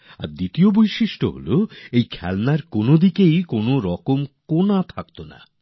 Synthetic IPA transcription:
a̰ɾd̪it̪iobojʃiʃʈo̰ɦo̰loejkʰɛlnaɾkonod̪ikejkonoɾɔkomkonat̪ʰakt̪ona̰

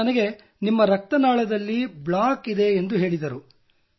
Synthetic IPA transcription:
ɐnɐɡe̞ | nimːɐɾɐk̚t̪ɐnaːɭɐd̪ɐlːibɭaːkid̪e̞ːnd̪uɦe̞ːɭid̪ɐɾu

